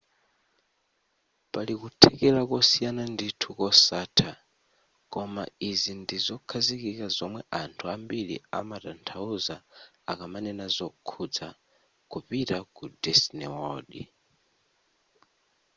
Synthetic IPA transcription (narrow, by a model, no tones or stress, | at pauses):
palikutʰɛkɛlakɔsijananditʰukɔsatʰa | kɔma̰izindizɔkʰazikikazɔmwɛʔantʰuambilḭa̰matantʰauza | akamanɛnazɔkʰud͡za | kupitakudɛsnɛɔɗḭ